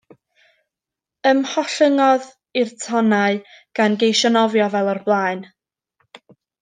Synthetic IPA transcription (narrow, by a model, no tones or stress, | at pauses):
əmhɔɬəŋɔð | ɪrtʰɔnaɨɡ̥anɡejʃɔnɔvjɔvɛlˠɔrblˠaːɨn